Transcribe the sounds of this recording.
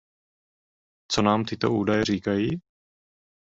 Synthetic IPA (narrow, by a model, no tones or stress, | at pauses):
t͡so̞naːmt̪ɪt̪o̞̰ʔuːdajɛriːkajiː